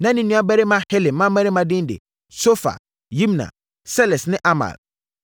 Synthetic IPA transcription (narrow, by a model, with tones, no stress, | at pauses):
nã˦nɪ̃˦nĩ˦a˦bɛ˦ɾɪ˦mã˦hɛ˦lɪ˨mã˦mɛ˦ɾɪ˦mã˨dɪ̃˦n˦dɪ̰˨ | so˦fa̰˨ | jĩ˦m˨nã̰˨ | sɛ˦lɛ˨snɪ̃˦ʔa˦ma̰˨l